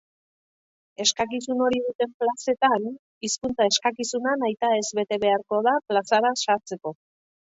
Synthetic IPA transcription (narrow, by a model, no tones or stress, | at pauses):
e̞skakisuno̞ɾiðut̪e̞mplase̞t̪an | iskunt͡sae̞skakisunanajt̪ae̞zβe̞t̪e̞βe̞aɾko̞ðaplasaɾasaɾt͡se̞ko̞